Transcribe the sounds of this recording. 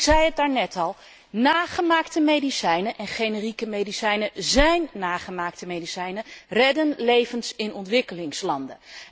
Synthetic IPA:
zɛjət̚daːɹnɛtɑlˠ | naːχəmaːktəmejdisɛjnəʔɛnχejnərikəmejdisɛjnəzɛjnːaːχəmaːk̚təmejdisɛjnərɛdənlejvənsɪnɔntʋɪkəlɪŋslɑndə̰

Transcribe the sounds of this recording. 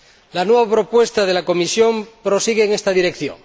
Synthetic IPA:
lanweβapɾo̞pwe̞st̪aðelako̞misjo̞mpɾo̞siɣeːŋest̪aðiɾekθjo̰ŋ

